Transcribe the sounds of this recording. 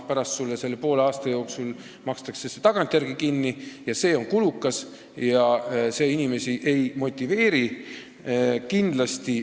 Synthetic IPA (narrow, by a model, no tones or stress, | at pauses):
pæɾɑst̪sulːese̞lːepo̞ːleɑːst̪ɑjo̞ːksul | mɑkst̪ɑkse̞se̞t̪ɑɡ̥ɑnt̪ʲˑjærɾɡ̥ikinːijɑse̞ːo̞nkulukːˑɑs | jɑse̞ːinime̞siʔe̞jmo̞t̪ʲːˑive̞ːɾi | kind̪̥lɑst̪i